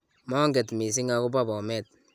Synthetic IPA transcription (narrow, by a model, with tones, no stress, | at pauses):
mɔ˦ŋɡɛ˨tmi˨s̬i˦ŋa˨ko˦ba˦bɔ˨mɛ˦˨t̚